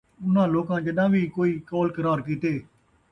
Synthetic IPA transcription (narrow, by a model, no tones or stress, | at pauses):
ʊnãːloːkãːd͡ʒɪɗãːʋiːkoːiːkɔːlkəɾaːɾk̬iːt̪eː